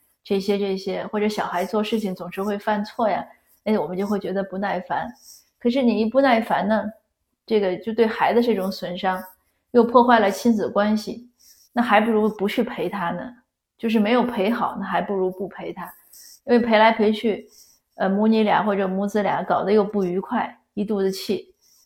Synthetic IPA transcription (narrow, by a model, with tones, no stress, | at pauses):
ʈ͡ʂɤ˥˩ɕjɛ˥ʈ͡ʂɤ˥˩ɕjɛ˥xwɔ˥˩ʈ͡ʂɤ˧˥ɕjɑ˨˩ʊxa˧˥ɪt͡swɔ˥˧ʂɻ̩˥˩t͡ɕʰi˩ŋt͡sʊ˨˩ŋʂɻ̩˧˥xwe˥˧ɪfa˥˧nt͡sʰwɔ˥˩ja̰˩ | a˥wɔ˨˩mə˦t͡ɕjo˥˧ʊxwɪt͡ɕɥɛ˧˥d̪ə˧pu˧˥na˥˩ɪfa˧˥n | kʰɤ˨˩ʂ̬ɻ̩˥˩ni˨˩i˧˥pu˥˧na˥˩ɪfa˧˥nnə˧ | ʈ͡ʂɤ˥˩ɡə˩t͡ɕjo˥˧ʊt̪we˥˩ɪxa˧˥ɪdə˧ʈ͡ʂɤ˥˩ʈ͡ʂʊ˧˥ŋswə˧˥nʂɑ˥ŋ | jo˥˧ʊpʰwɔ˥˧xwa˥˩ɪlə˩t͡ɕʰi˥nd͡zɹ̩˨˩ə˩kwa˥nɕi˨˩ | na˥˩xa˧˥ɪpu˥˩ɻu˧˥pu˧˥t͡ɕʰy˥˩pʰe˧˥ɪt̪ʰa˥nə̰˨˩ | t͡ɕjo˥˧ʊʂ̬ɻ̩˥˩me˧˥ɪjo˨˩ʊpʰe˧˥ɪxɑ˨˩˦ʊna˥˩xa˧˥ɪpu˥˩ɻu˧˥pu˥˩pʰe˧˥ɪt̪ʰa˥ | i˥nwe˥˩ɪpʰe˧˥ɪla˧˥ɪpʰe˧˥ɪt͡ɕʰy˥˩ | ə˧mu˧˥ni˧˥lja̰˨˧˥xwɔ˥˩ʈ͡ʂɤ˨˩mu˧˥t͡sɹ̩˥lja̰˧˥˦kɑ˨˩ʊd̪ə˦jo˥˧ʊpu˥˩y˧˥kʰwa˥˩ɪ | i˧˥t̪u˥˧d̪ə˧˦t͡ɕʰi˥˩